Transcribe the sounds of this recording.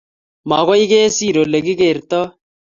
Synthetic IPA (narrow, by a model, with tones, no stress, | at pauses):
ma˨ɣo˦i˦ɡeː˦siː˦˨ɾo˨lə˨ɡi˦ɡe˦˨ɾt̪ɔ˦